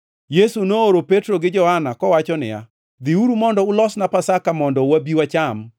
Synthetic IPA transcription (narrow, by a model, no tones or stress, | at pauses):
jesunooɾopetɾoɡɪd͡ʒɔhanakɔwat͡ʃɔnɪ̰ja̰ | d̪iuɾumɔndɔʊlɔsnapasakamɔndɔwabiwat͡ʃam